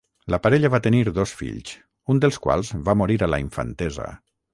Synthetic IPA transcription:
ləpaɾɛʎaβat̪eniɾðosfḭʎs | und̪əlˠskwa̰lˠzβamoɾiɾala̰iɱfa̰nt̪ɛzə̰

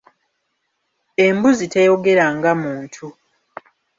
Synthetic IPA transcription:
e̞mbuzite̞jo̞ɡe̞ɾaŋɡamuːntʰu

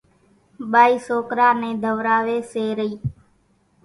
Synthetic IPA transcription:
ɓaːiːsoːkɾaːneːd̪ʱəʋɾaːʋeːseːɾəiː

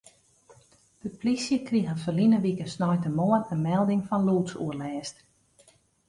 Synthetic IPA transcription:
d̥əplisjəkriɣəfəlinəʋikənsnɔjtəmoənəmɛlˠdɪŋfɔnluːtsuərlɛːst

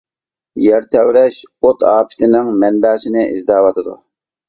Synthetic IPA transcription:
jɛɾt̪ʰɛwɾɛʃot̪ɑːpʰɪ̥t̪ʰɪnɪŋmɛnbɛːsɪnɪʔizd̪ɑːwɑt̪ʰɨd̪ṵ

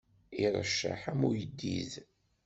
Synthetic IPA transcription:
iɾˤəʃːa̰ħamujəd̪ːḭð

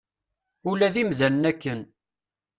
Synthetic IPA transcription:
ʊlæðimðænnækːən

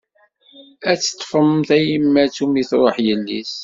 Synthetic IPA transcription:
æt͡sːə̥t̪ˤːfəmθæjəmːæt͡sumiθɾˤoħjənːḭs

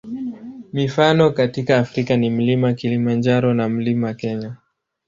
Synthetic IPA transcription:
mifanɔkatikaːfɾikanim̩limakilimand͡ʒaɾɔnam̩limakɛɲa

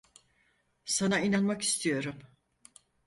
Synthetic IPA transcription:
sanainanmaki̥st̪ʰijo̞ɾum

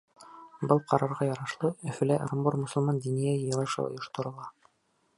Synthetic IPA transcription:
bɤlˠqʰɑɾɑɾʁɑjɑɾɑʃlˠɤɵ̆fɘ̆læʔɾomboɾmŏsŏlˠmɑnd̪inijæjɤ̆jɤ̆lˠɤ̆ʃɤ̰ŏ̰jŏʃt̪ŏɾŏlˠɑ

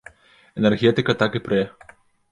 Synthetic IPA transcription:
ɛnʲɛrɣʲɛt̪ɨkɐt̪akɨpɾɛ

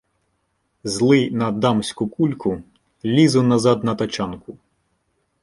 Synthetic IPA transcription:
zlˠɪnɐd̪ɑmsʲkʊkulʲkʊ | lʲizʊnɐzɑd̪nɐt̪ɐt͡ʃɑnkʊ

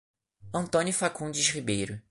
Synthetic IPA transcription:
ɐ̃nt̪õnifakũd͡ʒɪʃʁibejɾʊ

